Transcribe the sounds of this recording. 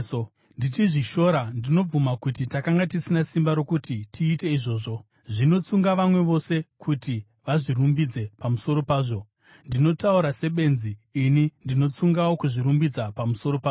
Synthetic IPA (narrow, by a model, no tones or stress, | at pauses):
nditiʐiʃo̞ɾandino̞b͡vumakutitakaŋɡatisinasimbaɾo̞kutitʰiːte̞iʐo̞ːʐo̞ | ʐino̞t͡suŋɡaʋamwe̞ʋo̞se̞kʰuti | ʋaʐirumbid͡ze̞pamuso̞ɾo̞paːʐo̞ | ndino̞tauɾase̞ɓe̞nziːnindino̞t͡suŋɡawo̞kuʐiɾumbid͡zapamuso̞ɾo̞paːʐ